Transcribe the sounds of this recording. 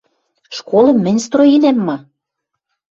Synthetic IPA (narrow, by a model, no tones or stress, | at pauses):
ʃkolɤ̆mːɘ̆nʲst̪roinæmːɑ